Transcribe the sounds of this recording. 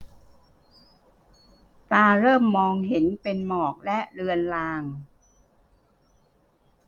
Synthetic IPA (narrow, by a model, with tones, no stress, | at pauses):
t̪aː˧ɾɤː˥˩mːɔː˧ŋɦe˩˦npe˧nmɔː˨˩k̚lɛ˦˥ʔɾɯ˧ənlaː˧ŋ